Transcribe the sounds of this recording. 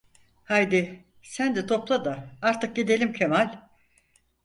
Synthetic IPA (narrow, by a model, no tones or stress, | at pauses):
hajd̪ɪ | sænd̪ɛt̪ʰo̞plˠad̪aaɾt̪ʰɯk̚ɟed̪elʲimcʰemalʲ